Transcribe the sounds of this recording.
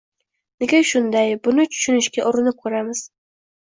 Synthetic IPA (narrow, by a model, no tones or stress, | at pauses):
neɡʲaʃʊnd̪ajbʊnɪt͡ʃʰʊ̥ʃʊnɪʃkʲaʔʊɾɪnɪp̚kʰɵɾamɪz̥